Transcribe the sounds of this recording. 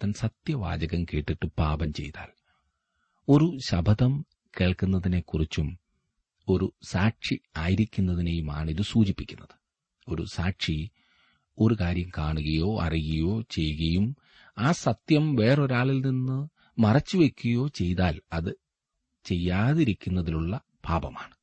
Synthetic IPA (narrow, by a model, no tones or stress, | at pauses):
t̪ɐnsɐt̪jɐʋa̰ːd͡ʑɐɣɐmkeːʈːiʈːɨpaːbɐmt͡ɕe̞̰jt̪a̰ːl | o̞ɾuɕɐbʱɐðɐm | keːɭkunːɐðine̞kːurit͡ɕːum | o̞ɾusaːkʂiaːjiɾikʲːunːɐðinejuma̰ːɳiðɨsuːd͡ʑipːikʲːunːɐðɨ̥ | o̞ɾṵsaːkʂi | o̞ɾukaːɾjɐmkaːɳuɣɐjo̞ːɐ̰riɣɐjo̞ːt͡ɕe̞jːuɣɐjum | aːsɐt̪jɐmʋe̞ːro̞ɾaːɭilninːɨ | mɐrɐt͡ɕːuʋe̞kʲːuɐjo̞ːt͡ɕe̞jt̪aːlɐðɨ | t͡ɕe̞jːaːðiɾikʲːunːɐðiluɭːɐ | paːbɐmaːɳɨ